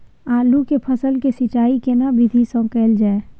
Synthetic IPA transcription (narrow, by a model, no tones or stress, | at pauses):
aːlukepʰəsəlkesɪt͡ʃaːikenabʱɪd̪ʱisɔ̃kɛːld͡ʒaːe